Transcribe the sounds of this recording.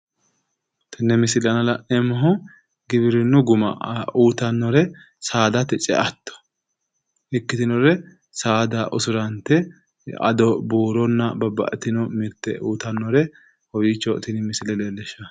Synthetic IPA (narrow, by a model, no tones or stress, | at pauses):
t̪ʰɪnːɛmɪsɪlɐnɐlɐʔɛmɔɦɔ | ɡɪbɪɾɪnːʊɡʊmɐ̰uːt̪ɐnːɔɾɛ | saːd̪ɐt̪ɛt͡ʃʼɛ̰ʔɐt̪ːɔ̥ | ɪkːɪt̪ɪnɔɾɛ | saːd̪aʔʊsʊɾɐnt̪ːɛ | ɐ̰d̪ɔbuːɾɔnːɐbɐbːɐ̰ʔɛt̪ɪnɔmɪɾt̪ːɛ̰uːt̪ɐnːɔɾɛ | hɔwit͡ʃːɔt̪ɪnɪmɪsɪlɛleːlːɛʃɐ